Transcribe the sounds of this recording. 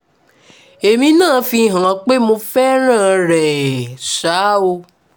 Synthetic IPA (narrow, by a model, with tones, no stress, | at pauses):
e˨mĩ˧nãː˦˨fĩ˧˨ɦã˨k͡pe˦mõ˧fɛ˦ɾ̃ãː˦˨ɾɛ˨ʃa˨˦o˧